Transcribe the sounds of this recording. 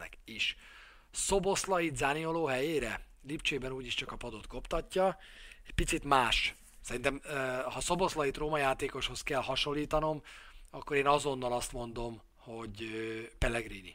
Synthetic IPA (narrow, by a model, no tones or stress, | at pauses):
ɛ̰kiʃ | so̞bo̞slɒjit̪zaːnijoloːɦɛjeːɾɛ | lipt͡ʃeːbɛnuːɟiʃt͡ʃɒkɒpɒd̪o̞t̪ko̞pt̪ɒcːɒ | ɛc̚pit̪sit̪maːʃ | sɛɾint̪ɛmhɒso̞bo̞slɒjit̪roːmɒjaːt̪eːko̞ʃho̞skɛlhɒʃo̞lːiːt̪ɒno̞mɒkːo̞ɾeːnɒzo̞nːɒlɒst̪mo̞nd̪o̞m | ho̞ɟøpɛlɛɡriːnḭ